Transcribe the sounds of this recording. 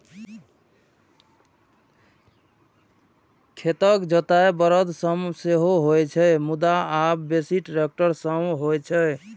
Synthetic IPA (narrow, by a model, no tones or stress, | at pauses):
kʰet̪əkd͡ʒət̪aebəɾəd̪səmseɦoɦojt͡ʃʰɛmud̪aabbesiʈɾek̚ʈəɾsəmɦojt͡ʃʰɛ